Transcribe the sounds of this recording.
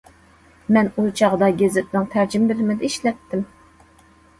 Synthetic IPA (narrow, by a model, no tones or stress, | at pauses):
mɛnut͡ʃʰɑʁəd̪ɑɡʲezɪt̪nɨŋt̪ʰæɾd͡ʒimbɪlɪmɪd̪ɪiʃlɛp̚t̪ʰːɪm